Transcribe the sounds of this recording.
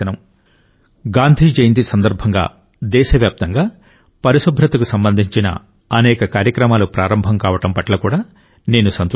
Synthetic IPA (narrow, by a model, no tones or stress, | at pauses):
ɐnɐm | ɡaːnd̪ʱiːd͡ʒejnd̪isɐnd̪ɐɾbʱɐŋɡa̰ː | d̪ɛːʃɐʋjaːp̚t̪ɐŋɡaː | pɐɾiʃubʱɾɐt̪ɐkusɐmbɐnd̪ʱiɲt͡ʃinɐ̰ | ɐnɛːkɐkaːɾjɐkɾɐmaːlupɾaːɾɐmbʱɐmkaːʋɐʈɐmpɐʈlɐkuːɽaː | ne̞ːnusɐnt̪